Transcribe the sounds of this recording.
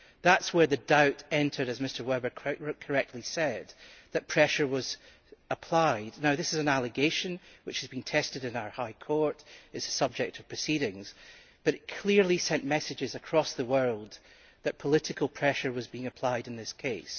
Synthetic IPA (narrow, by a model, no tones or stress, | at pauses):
ðatswə˞ðɨdaʊʔɛ̃ntʰə˞ɾɨzmɪstə˞wɛbə˞kʰkʰə˞ɛk̚tʰˡlˠisɛd̪̚ðɨʔ̚pʰɹ̥ɛʃə˞wʌz̥ | əpʰl̥aɪdⁿnaʊðɪsɨzɨ̃nalˠɨɡeʃɨ̃nwɨt͡ʃhɨzbĩntʰɛstɪɾɨ̃naʊə˞haɪkʰɔɹʔɨzəsʌb̚d͡ʒɛk̚tʰʌv̥pʰɹ̥ɨsiɾɪ̃ŋz̥ | b̥ʌɾɨʔ̚kʰl̥ˠiɹlˠisɛ̃nʔmɛsɪd͡ʒɪzəkʰɹ̥ɔsðəwɜ˞lˠd̪̚ | ðɨʔpʰəlˠɪʔɨkəlˠpʰɹ̥ɛʃə˞wʌzbiɪ̃ŋɨpʰl̥aɪɾɨ̃nðɪskʰeɪs